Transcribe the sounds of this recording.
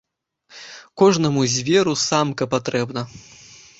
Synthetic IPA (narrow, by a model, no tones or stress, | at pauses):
kɔʐnɐmuzʲvʲɛɾusamkɐpat̪ɾɛbnɐ